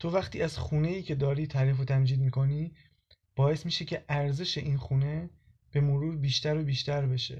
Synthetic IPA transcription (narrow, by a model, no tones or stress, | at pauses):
t̪ʰo̞væχt̪ʰiːæzxuːne̞jiːcʰe̞d̪ɒːɾiːt̪ʰæːɾiːf̬ot̪ʰæmd͡ʒiːd̪miːkʰo̞niː | b̥ɒːje̞smiːʃe̞cʰe̞ʔæɾze̞ʃe̞ʔiːnxuːne̞ | b̥e̞moɾuːɾbiːʃt̪æɾobiːʃt̪æɾbe̞ʃḛ